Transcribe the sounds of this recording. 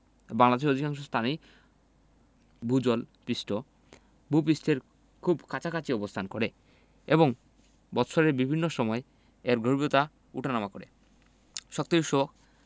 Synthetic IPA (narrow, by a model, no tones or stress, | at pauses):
baŋlad̪eʃod̪ʱikaŋʃost̪ʰani | bʱud͡ʑolpisʈo | bʱup̬isʈʰeɾ | kʰubkʰat͡ɕʰakʰat͡ɕiɔbost̪ʰankoɾe | eboŋ | bɔt̪ʃʰoɾeɾbibʱinːoʃɔmɔe | eɾɡʱoɾibot̪a | uʈʰanamakoɾe | ʃɔk̚t̪oiʃok